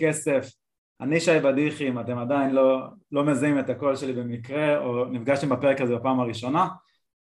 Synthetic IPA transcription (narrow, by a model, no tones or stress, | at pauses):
kese̞f | aniʃajbadiχimate̞madainlo̞lo̞me̞zaimetako̞lʃe̞libemikʁe̞onifɡaʃt̪embape̞ʁekazebepaːmaʁiʃo̞na